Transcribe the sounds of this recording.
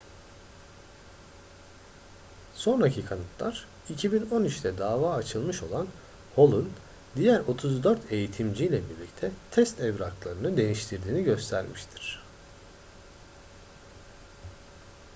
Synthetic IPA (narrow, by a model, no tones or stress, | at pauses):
so̞nɾacʰikʰanɯt̪ʰlˠaɾ̥ | icʰibino̞nit͡ʃt̪ʰɛd̪aːvaːt͡ʃʰɯlˠmɯʃo̞̰lˠan | ho̞lˠun | d̪ijæɾo̞t̪ʰuzd̪øɾt̪ʰe̞jit̪ʰimd͡ʒijlʲɛbiɾlʲic̚t̪ʰɛt̪ʰɛst̪ɛvɾaklˠaɾɯnɯd̪e̞j̪iʃt̪ʰiɾd̪iːniɟø̞st̪ʰæɾmiʃt̪ʰi̥ɾ̥